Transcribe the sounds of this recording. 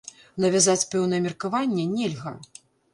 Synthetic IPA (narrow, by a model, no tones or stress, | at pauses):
nɐvʲazat͡sʲpɛwnɐjɛmʲɛrkavanʲːɛnʲɛlʲɣɐ